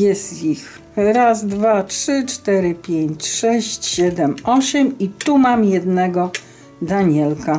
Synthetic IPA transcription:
jɛst̪ix | ɾazd̪vatʂɘt͡ʂt̪ɛɾɘpʲjeɲt͡ɕʂɛɕt͡ɕɕɛd̪ɛmɔɕɛmit̪umamjɛd̪nɛɡɔ | d̪aɲɛlka

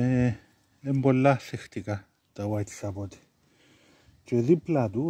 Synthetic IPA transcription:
e | embolːaɬext̪ika | t̪awajt̪sabot̪i̥ | t͡ʃed̪iplad̪u

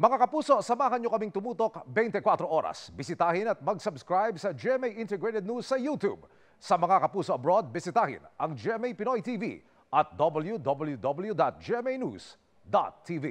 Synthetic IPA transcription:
mɐŋakɐpuːso̞sɐmaːɦɐnɲokɐmiŋt̪ʊmuːt̪okbɛjnt̪ɛkwat̪ɾo̞ʔo̞ɾɐ̰sbɪsɪt̪aːhɪnɐt̪̚mɐɡsɐbskɹajbsɐd͡ʒɛmɛjʔɪ̃nt̪ɛɡɹɛt̪ɛd̪nusːɐjuːt̪ṵb | sɐmɐŋakɐpuːsoʔɐbɾod̪̚bɪsɪt̪aːhɪ̰nɐŋd͡ʒɛmɛjpɪnojt̪iːvḭ | ʔɐt̪̚d̪obɐljud̪obɐljud̪obɐljud̪at̪̚d͡ʒɛɛmɛjnṵs | d̪a̰t̪̚ʰːivḭ

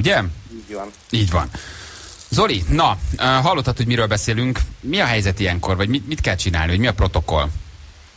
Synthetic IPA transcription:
uɟɛ | iːɟvɒ̰n | zo̞linɒøɦɒlːo̞t̪ːɒt̪hoɟmiɾøːlbɛseːlyŋkmiɒɦɛjzɛt̪ijɛŋko̞rvɒɟmimit̪kɛlt͡ʃina̰ːlnivɒɟmiɒpro̞t̪o̞ko̞̰l

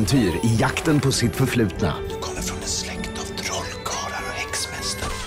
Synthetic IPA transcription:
nt̪ʰyːɾɪjakt̪ənpʰɔsɪt̪fœɾflʉ̟ːt̪na̰d̪ɵkʰɔmːəɾfɾɔnɛnslɛkt̪avt̪ʰɾɔlɡʰɑːlaɾɔhɛksmɛst̪ʰəɾ

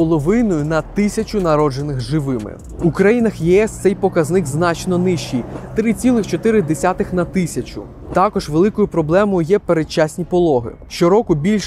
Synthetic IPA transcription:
pɔlˠɔʋɪnɔjʊnɐt̪ɪsʲɐt͡ʃʊnɐɾɔd͡ʒe̞nɪxʒɪʋɪmɪ̰ | ukɾɐjinɐxjɛɛst̪sɛjpɔkɐznɪkznɑt͡ʃnɔnɪʃt͡ʃijt̪ɾɪt͡sʲilˠɪxt͡ʃɔt̪ɪɾɪd̪esʲat̪ɪxnɐt̪ɪsʲɐt͡ʃʊ̰ | t̪ɑkɔʒʋelˠɪkɔjʊpɾɔblˠɛmɔjʊjɛpeɾet͡ʃːasʲnʲipɔlˠɔɦɪ̰ | ʃt͡ʃɔɾɔkʊbʲilʲʃ

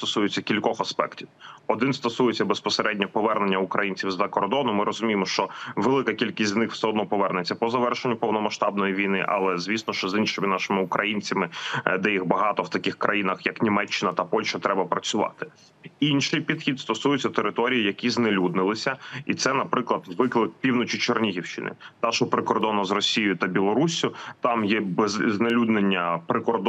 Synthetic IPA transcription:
t̪ɔsujet͡sʲːɐkʲilʲkɔxɐspɛ̰ktʲiwɔd̪ɪnst̪ɔsujet͡sʲːɐbespɔseɾɛdʲnʲɐpɔʋɛrnenʲːɐʊkɾɐjinʲt͡sʲiwzɐkɔrd̪ɔnʊmɪɾɔzʊmʲijɪmɔʃt͡ʃɔʋelˠɪkɐkʲilʲkʲisʲt̪ʲznɪxw̥sɛɦɔd̪nɔpɔʋɛrnet͡sʲːɐpɔzɐʋɛrʃenʲːʊpɔwnɔmɐʃt̪ɑb̚nɔjiʋʲijnɪ̰ʔɐ̰lˠɛzʋʲisnɔʃt͡ʃɔzinʃɪmɪnɑʃɪmɪʊkɾʔɐjinʲt͡sʲɐmɪd̪ɛjixbɐɦɑt̪ɔwt̪ɐkʲɪxkɾʔɐjinɐxjɐknʲimɛt͡ʃːɪnɐt̪ɐpɔlʲʃɐt̪ɾɛbɐpɾɐt͡sʲʊʋɑ̰t̪ɪ̥ | inʃɪjpʲid̪xʲid̪st̪ɔsujʊt͡sʲːɐt̪eɾɪt̪ɔɾʲijijɐkʲiznelʲud̪̚nɪlˠɪsʲɐit̪sɛnɐpɾɪklˠɐd̪zʋɪklˠɪk̚pʲiwnɔt͡ʃit͡ʃɔrnʲiɦʲiwʃɪ̰nɪ̰t̪ɑʃɔpɾɪkɔrd̪ɔnɐzrɔsʲijjʊt̪ɐbʲilˠɔɾusʲjʊt̪ɑmjɛbznelʲud̪nenʲːɐpɾɪkɔrd̪

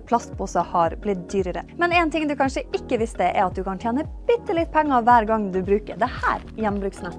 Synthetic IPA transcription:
pʰlɑst̪̚busɑhɑɾblɪt̪̚d̪yːɾəɾə̰mɛnɛːnt̪ɪŋd̪ʉkʰɑnʂəɪkːəʋɪst̪əʔɛɾɑt̪̚d̪ʉkʰɑnt̪ʰjeːnəb̥ʏt̪ːəlɪt̪̚ːpʰɛŋːɑʋæːɾɡɑŋd̪ʉbɾʉːkəɾd̪ɛhæ̰ːɾjɛnːbɾʉːksnɛ

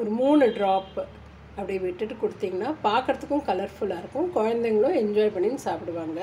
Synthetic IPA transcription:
ɔɾɯmuːnɯɖɾaːp | ɐpːɐɽijɐʋɪʈːɯʈːɯkɔɽɯt̪ːiːŋɡɐnːaːpaːɾkɐɾɐt̪ːɯkːʊ̃kɐlɐɾfʊlaːɪɾɯkːʊ̃mkɔɻɐnd̪ɐŋɡɐɭʊ̃ɛɲd͡ʒaːɪpɐɳːinːɯsaːpɪɽɯʋaːŋɡɐ

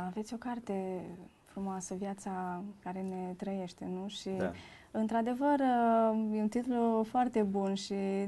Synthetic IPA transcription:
ave̞t̪sʲo̞kart̪e̞ | fɾumoasəvjat̪sakaɾe̞ne̞t̪ɾəje̞ʃt̪e̞nuʃi | ɨnt̪ɾad̪e̞vərjeunt̪it̪lufoart̪e̞bunʃi

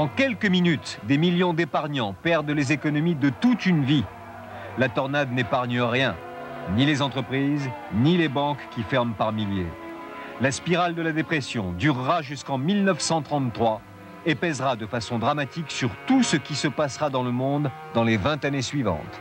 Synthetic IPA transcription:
ɑ̃kʲɛlkəminyt̪d̪emiljɔ̃d̪epaʁɲɑ̃pɛʁd̪lezekɔnɔmid̪ət̪ut̪ynvi | lat̪ɔʁnad̪nepaʁɲəʁjɛ̃ | nilezɑ̃t̪χəpχiznilebɑ̃kkʲːifɛʁmpaʁmilje | laspiʁald̪əlad̪epχesjɔ̃d̪yʁːaʒyskɑ̃milnəfsɑ̃t̪χɑ̃t̪t̪ːχwa | epɛzʁad̪əfasɔ̃d̪ʁamat̪iksyʁt̪usəkʲisəpasʁad̪ɑ̃ləmɔ̃d̪ːɑ̃levɛ̃t̪anesɥivɑ̰̃t̪

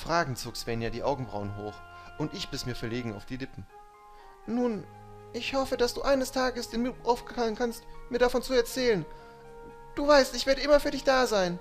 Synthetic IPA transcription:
fʁ̥aːɡŋ̩t͡soːksv̥ɛnjaːdiːʔaʊɡŋ̩bʁa̰ʊənɦoːx | ʊntɪçb̥ɪsmiːɐfɛɐleːɡŋ̩a̰ʊfd̥iːlɪpm̩ | nuːn | ʔɪçhɔfədasd̥uːʔaɪnəstʰaːɡəsd̥eːnmɪʔaʊfɡ̥əkaŋənkʰanstmiːɐɾafɔnt͡suɛɐt͡sɛːlən | d̥uːvaɪstɪçv̥eːɐɾəʔɪmɐfyːɐdɪçd̥aːzaɪn

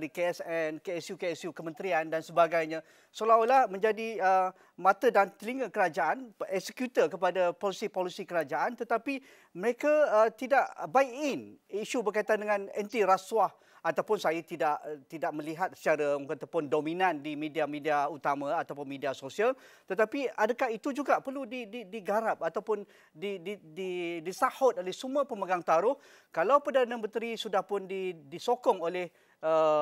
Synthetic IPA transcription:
ɾikeɛsɛnkeɛsjukeɛsjukəmə̃nt̪ɾiandansəbaɡajɲã | solaulahmə̃ɲd͡ʒadiə | mãt̪ədant̪əliŋəkəɾad͡ʒaʔanɛksəkjut̪əkəpadapolisipolisikəɾad͡ʒaʔant̪ət̪api | məɾekaət̪idaʔbaikɪniʃubərkait̪andəŋãnɛnt̪iɾaswah | at̪awpʊnsajat̪idaʔt̪idaʔmə̃liɦat̪̚st͡ʃaɾakat̪apʊndomĩnãndimĩdiamẽdiaut̪amãat̪awpʊnmĩdiasosialt̪ət̪apiadakaɦit̪ud͡ʒuɡaʔpərludididiɡaɾap̚at̪awpʊn | didididisahɔt̪̚olɛhsumapəməɡaŋt̪aɾʊh | kalawpərdanãmə̃nt̪ɾisudahpʊndidisokɔŋolɛh | ə

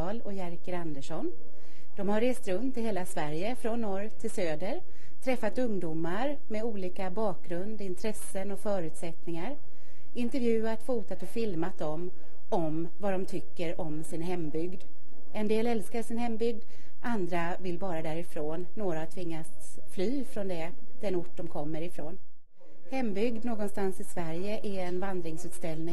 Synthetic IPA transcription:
lɔjæɾkəɾand̪əʂɔn | d̪̥ɔmhaɾːeːst̪ɾɵnt̪ʰːɪɦeːlasvæɾjəfɾɔnːɔɾt̪ʰɪlsøːd̪əɾ | t̪ʰɾɛfːat̪ɵŋd̪uːmaɾ | mɛuːliːkabɑːk̚ɡɾɵnd̪ɪnt̪ʰɾɛsːənɔfœːɾʉ̟ːt̪sɛt̪nɪŋaɾ | ɪnt̪ɛɾvjʉ̟ːat̪fuːt̪at̪ɔfɪlmat̪̚d̪ɔm | ɔm | vad̪ɔmt̪ʰʏkːəɾɔmsɪnɦɛmːbʏɡd̪ | ɛnd̪eːlɛlskaʂɪnhɛmbʏɡ̚d̪ | ʔand̪ɾa | vɪlbɑːɾad̪æɾɪfɾoːnːoːɾahat̪ʰvɪŋːas | flyːfɾɔnd̪ɛ | d̪̥ɛnʊʈ̚ːdɔmkʰɔmːəɾɪfɾoːn | hɛmːbʏɡd̪noːɡɔnst̪ansɪsvæɾjəʔæɛnvand̪ɾɪŋsʉːt̪st̪ɛlnɪŋ

